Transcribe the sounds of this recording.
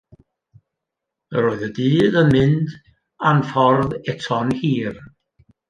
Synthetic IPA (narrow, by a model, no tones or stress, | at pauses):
ɾoːɨðədiːðənmɪnd | anfɔrðɛtʰɔnhiːr